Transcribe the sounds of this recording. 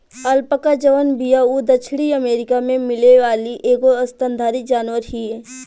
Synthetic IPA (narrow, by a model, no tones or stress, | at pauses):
ɐlpəkad͡ʒəʋənbijaud̪ət͡ʃʰɽiɐmeːɾɪkamẽmɪleʋaːliʔeːɡoɐst̪ə̃nd̪ʱaːɾid͡ʒaːnʋəɾɦieː